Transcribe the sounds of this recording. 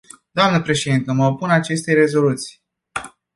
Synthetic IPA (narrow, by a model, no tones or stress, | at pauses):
d̪̥oamnəpɾe̞ʃed̪int̪əməopunat͡ʃe̞st̪e̞ɾe̞zo̞lut̪si̥j